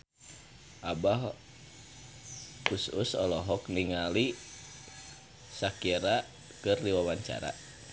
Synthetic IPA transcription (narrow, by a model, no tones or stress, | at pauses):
ʔabaɦ | usṵsɔ̰lɔɦɔkniŋali | sakiɾa | kɨrliwawaɲt͡ʃa̰ɾa̰